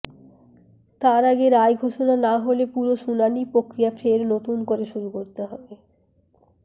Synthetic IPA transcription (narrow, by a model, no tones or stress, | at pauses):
t̪aɾaɡeɾaeɡʱoʃonanaɦolepuɾoʃunanipɾokɾijafeɾnot̪unkoɾeʃuɾukoɾt̪eɦɔbe